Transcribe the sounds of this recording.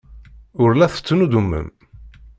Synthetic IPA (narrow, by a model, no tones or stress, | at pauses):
ʊɾlæθə̥t͡sːnud̪umːə̰m